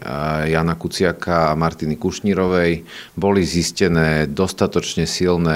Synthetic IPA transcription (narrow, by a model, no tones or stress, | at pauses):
jaːnakut͡sɪakaːmaɾt̪inikuʃɲiɾɔʋɛjbɔliziscɛnɛːd̪ɔst̪at̪ɔt͡ʃɲɛsilnɛ